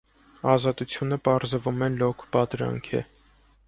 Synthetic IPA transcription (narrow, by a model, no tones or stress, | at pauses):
ɑzɑt̪ut͡sʰjunəpɑɾzəvumɛlɔkʰpɑt̪ɾɑ̰ŋkʰɛ̰